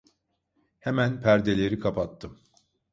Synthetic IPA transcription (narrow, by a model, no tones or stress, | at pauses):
hemænpʰæɾd̪e̞lʲeɾikʰapʰat̪ʰːɯm